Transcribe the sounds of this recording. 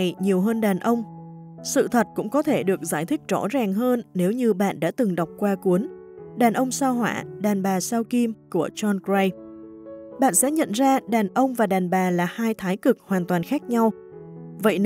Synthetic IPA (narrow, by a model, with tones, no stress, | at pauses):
jɲi˨˩əwɦəː˧nɗaː˨˩nʔə˧wŋ͡m | sɨ̰˧˨t̪ʰə˨˩t̚kʊ̰˧˥ŋ͡mkɔ˨˦t̪ʰe˧˩ɗɨ˨˩ək̚zaː˧˩jt̪ʰï˦˥k̟̚zɔ̰˧˩zaː˨˩ŋɦəː˧nːe˨˦wɲɨ˧ɓa̰ː˧˨nɗa̰ː˧˥t̪ɨ˨˩ŋɗə˨˩wk͡p̚kwaː˧ku˨˦ən | ɗaː˨˩nʔə˧wŋ͡msaː˧wɦwa̰ː˧˩ɗaː˨˩nɓaː˨˩saː˧wki˧mku˧˩ət͡ɕɔ˧nkɹa˧j | ɓa̰ː˧˨nsɛ̰˧˥ɲə̰˧˨nzaː˧ɗaː˨˩nʔə˧wŋ͡mvaː˨˩ɗaː˨˩nɓaː˨˩laː˨˩haː˧jt̪ʰaː˨˦jkɨ˨˩k̚hwaː˨˩nt̪waː˨˩nxaː˦˥k̚ɲa˧w | və̰˧˨j